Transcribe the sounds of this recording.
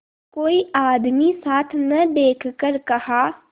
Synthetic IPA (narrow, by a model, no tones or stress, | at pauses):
koːiaːd̪misaːt̪ʰnɐd̪eːkʰkəɾkɐhaː